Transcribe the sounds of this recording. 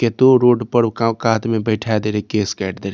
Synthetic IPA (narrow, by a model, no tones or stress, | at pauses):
ket̪oɾoːɖpəɽkakaːt̪mẽbɛɪʈʰaːd̪eːɾekeːskɛːʈʰd̪eːɾe